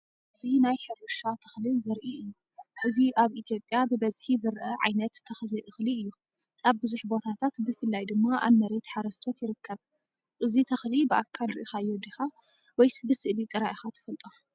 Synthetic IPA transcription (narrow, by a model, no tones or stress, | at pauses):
ʔʔɨzinajħɨɾɨʃat̪ʰɐ̥xlizɐɾʔiɨjːu | ʔɨziʔaβʔit̪ʰjo̞pʼːjabɨbɐzħizɨɾʔɐʕa̰jnɐt̪ʰːɐxliʔɨxliɨjːu | aβbɨzuħbo̞t̪ʰat̪ʰat̪bɨfɨlːajd̪ɨmːaʔa̰βmːɐɾe̞t̪ħaɾɐst̪ʰo̞t̪jɪɾɨkːɐβ | ʔɨzit̪ʰɐxlibɨʔakʰːalɾɨʔixajːud̪ixa | wɔjbɨsɨʔlit̪ʼɨɾaʔixat̪ʰɨ̥fɐlt̪ʼo